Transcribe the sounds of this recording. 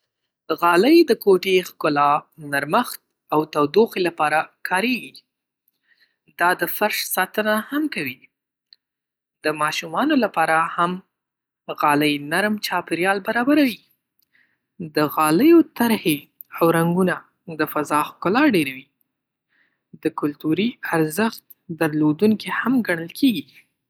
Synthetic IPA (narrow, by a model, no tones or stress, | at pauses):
ɣɑləjd̪əkoʈexkʊlɑnaɾməxt̪̚ | awt̪awd̪oxelapɑɾakʰɑɾeɡi | d̪ɑd̪əfaɾʃsɑt̪ənahamkawi | d̪̥əmɑʃumɑnolapɑɾaham | ɣɑləjnaɾmt͡ʃɑpɪɾjɑlbaɾɑbaɾawi | d̪əɣɑləjot̪aɾhe | awɾaŋɡuna | d̪əfazɑxkʊlɑɾɖeɾawi | d̪əkʊlt̪uɾiaɾzəxt̪ | d̪aɾlod̪uŋkihamɡaɽ̃əlkʰeɡi